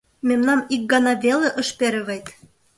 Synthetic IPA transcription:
memnɑmik̚ɡɑnɑveleʔɤ̆ʃpeɾɘ̆βejt̪

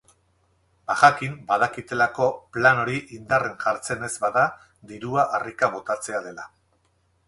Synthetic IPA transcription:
baɣakimbaðakit̪e̞lako̞plano̞ɾiʔind̪are̞ŋʝaɾt͡se̞ne̞zbaða | d̪iɾuaʔarikaβ̞o̞t̪at͡se̞að̞e̞la

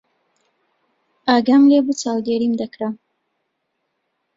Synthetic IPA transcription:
aɡamlebut͡sawd̪eɾimd̪akɽam

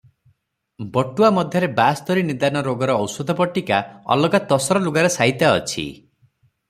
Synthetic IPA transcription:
bɔʈuamɔd̪ʱjɔɾebast̪ɔɾinid̪anɔɾoɡɔɾɔːwsɔd̪ʱɔpɔʈikaɔ̰lɔɡat̪ɔsɔɾɔluɡaɾesait̪aɔ̰t͡ʃʰḭ

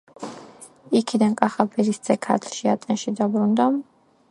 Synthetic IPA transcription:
ikʰid̪ankʼaχapʰɛɾisd̪sʼɛkʰa̰t̪ʰɾʃia̰t̪ʼɛnʃid̪abɾund̪a

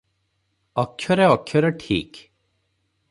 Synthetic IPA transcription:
ɔkʰːjɔɾeɔkʰːjɔɾeʈʰḭːk

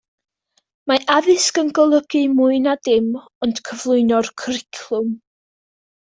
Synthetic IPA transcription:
maʔaðɨskənɡɔlˠəɡ̥ɨmuɨnadɪm | ɔnd̥kʰəvlˠʊɨnɔrkʰrɪkʰlˠʊm

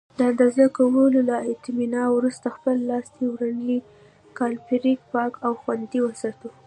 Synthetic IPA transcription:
d̪əand̪azəkawəlolaɪt̪minɑwɾust̪axpəlːɑst̪ewɾaɳəli | kɑlpiɾik̚pɑkawxwand̪iwəsɑt̪u

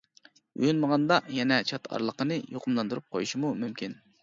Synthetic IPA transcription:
y̰jynməʁɑnd̪ɑjɛnɛt͡ʃʰɑt̪ɑ̰ɾlˠəqənɨjoqʰʊmlˠɑnd̪uɾup̚qʰojuʃimumymkʲin

